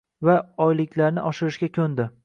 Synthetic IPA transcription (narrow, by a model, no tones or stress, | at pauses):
vaɒjlɪkʲʰlaɾnɪʔɒʃɪɾɪʃɡʲakʲʰɵnd̪ɪ